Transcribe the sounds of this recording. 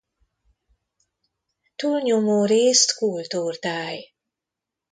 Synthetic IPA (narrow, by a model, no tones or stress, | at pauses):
t̪uːlɲomoːɾeːst̪kuːlt̪uːrt̪aːj